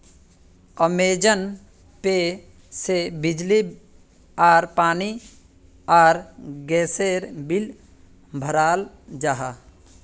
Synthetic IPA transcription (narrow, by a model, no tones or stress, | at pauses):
əmeːd͡ʒən | pe | sebɪd͡ʒli | aːɾpaːni | aːɾɡɛːseːɾbɪl | bʱəɾaːl | d͡ʒaːɦaː